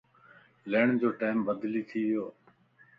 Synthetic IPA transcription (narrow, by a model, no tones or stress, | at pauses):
leːɳd͡ʑoːʈaːɪmbəd̪liːt̪ʰiːʋɪjoː